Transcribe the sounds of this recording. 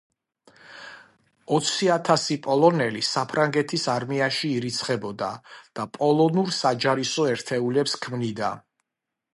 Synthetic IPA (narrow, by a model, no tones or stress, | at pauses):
ɔt̪sʰiat̪ʰasipʼɔlˠɔnɛlisapʰɾaŋɡɛt̪ʰisaɾmiaʃiːɾit̪sʰχɛbɔd̪a̰d̪̥apʼɔlˠɔnuɾsad͡ʒaɾisɔɛɾt̪ʰɛulɛpskʰmnid̪a̰